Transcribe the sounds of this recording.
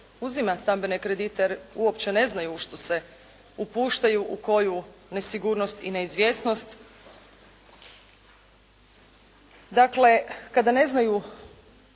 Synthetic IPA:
uzimast̪ambe̞nekɾed̪it̪eɾuopt͡ɕene̞znajuʃt̪o̞se̞ | upuːʃt̪ajuʔuko̞june̞siɡuɾnost̪ḭne̞izʋʲje̞sno̞st̪ | d̪akle̞kad̪ane̞znaju

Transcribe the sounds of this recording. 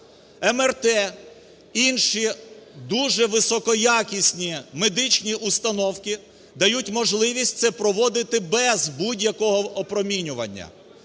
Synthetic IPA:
ɛmɛrt̪ɛ | inʃid̪uʒɛʋɪsɔkɔjakʲisʲnʲimed̪ɪt͡ʃʲnʲiʔʊst̪ɐnɔwkʲi | d̪ɐjutʲmɔʒlˠɪʋʲisʲt̚ʲt̪sɛpɾɔʋɔd̪ɪt̪ɪbɛzbudʲjɐkɔɦɔʔɔpɾɔmʲinʲʊʋɐ̰nʲːɐ̰

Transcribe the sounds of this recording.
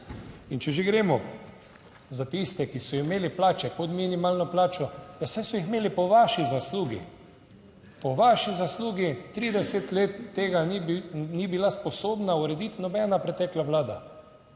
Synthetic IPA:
int͡ʃɛʒeɡɾeːmɔ | zat̪ist̪ɛkisɔimeːliplaːt͡ʃɛkɔt̪minimaːlnɔplaːt͡ʃɔjawsɛsɔixmeːlipɔʋaʃizasluːɡḭ | pɔʋaːʃizasluːɡit̪ɾiːd̪ɛsɛt̪leːt̪ːeːɡaninibilaspɔsoːbnauɾɛd̪it̪nɔbɛːnapɾɛt̪ɛːklaʋlaːd̪a̰

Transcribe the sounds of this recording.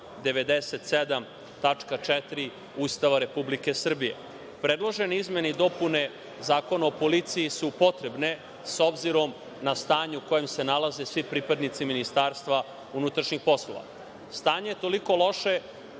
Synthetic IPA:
d̪e̞ʋe̞d̪ese̞t̪sed̪am | t̪at͡ʂkat͡ʂɛt̪ɾi | uːst̪aʋaɾe̞publike̞sr̩bije̞̰ | pɾe̞d̪lˠo̞ʒeniizmenid̪o̞pune̞ | zaːko̞naopo̞lit̪sijisupo̞t̪ɾe̞bne̞ | so̞bziɾo̞m | nast̪aːɲuuko̞jemse̞nalaze̞sʋipɾipad̪nit̪siminist̪aːɾst̪ʋa | unut̪ɾaʃɲixpo̞slˠo̞̰ʋa̰ | st̪aːɲejet̪o̞liko̞lˠo̞ʃe̞

